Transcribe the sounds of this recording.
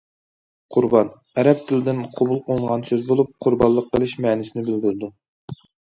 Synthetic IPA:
qʰʊɾbɑn | ɛɾɛp̚t̪ʰɪlɪd̪ɪnqʰobulˠqʰolˠəɴʁɑnsøzbolˠup̚qʰʊɾbɑlˠːəqːəlˠɨʃmɛːnɪsɪnɪbɪld̪yɾd̪u

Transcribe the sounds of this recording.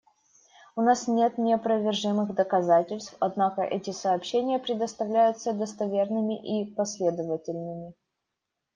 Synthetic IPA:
ʊnasnʲe̞t̪nʲɪɐpɾəvʲɪrʐɨmɨɣd̪əkɐzatʲɪlʲst̪fɐd̪nakəʔɛtʲɪsɐːpɕːenʲɪjəpɾʲɪd̪əst̪ɐvlʲæjʊt̪səd̪əst̪ɐvʲe̞rnɨmʲɪʔipɐsʲlʲe̞d̪əvətʲɪlʲnɨmʲɪ

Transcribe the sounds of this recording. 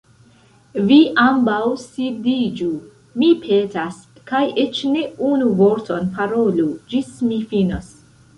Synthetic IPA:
viʔambawsidid͡ʒu | mipʰetaskajʔet͡ʃne̞unuvoɾtʰonpaɾolud͡ʒismifinos

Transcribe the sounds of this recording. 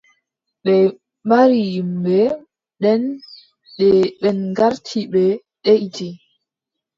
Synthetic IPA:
ɓɛ | maɾijimbɛ | ɗɛn | ɗɛɓɛnɡaɾtʰiɓɛ | ɗeʔti

